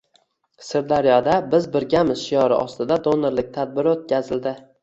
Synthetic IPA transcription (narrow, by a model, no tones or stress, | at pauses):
sɪɾd̪aɾjɒd̪abɪzbɪɾɡʲamɪz̥ʃijɒɾɪʔɒ̰st̪ɪd̪ad̪oneɾlɪk̚ʲt̪ʰad̪̚bɪɾot̪̚kʲʰazɪld̪ɪ